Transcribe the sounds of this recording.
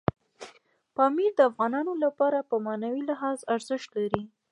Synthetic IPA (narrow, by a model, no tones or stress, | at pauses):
pɑmiɾd̪əafɣɑnɑnolapɑɾapəmɑnawilɪɦɑzaɾzəʃt̪laɾi